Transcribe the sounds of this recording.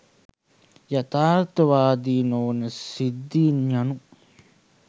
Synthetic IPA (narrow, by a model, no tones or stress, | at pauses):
jɐt̪aːɾt̪ɐʋaːd̪iːnoːnɐsid̪ːiːɲɐnu